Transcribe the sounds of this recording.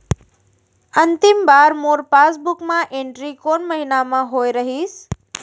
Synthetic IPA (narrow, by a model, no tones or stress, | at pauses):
ɐ̃nt̪ɪmbaːɾmoːɾpaːs̬bʊkmãʔẽːɳʈɾikoːnmɐɦinamãɦoːeɾɐɦiːs